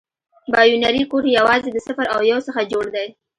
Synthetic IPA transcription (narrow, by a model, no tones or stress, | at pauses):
bɑjunaɾikoɾjawɑzed̪əsɪfəɾawjawsəxad͡ʒoɽd̪aj